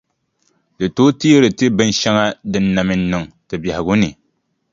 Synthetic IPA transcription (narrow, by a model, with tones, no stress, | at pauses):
dɨ˨to˦ti˦ɾɨ˨tɨ˦bɨ˦n˦ʃɛ˦ŋa˦dɨ˦nːa˨mɨ˨˦n˦nɨ˨ŋ | tɨ˨bɛ˨hɪ˨ɡu˦nɨ˨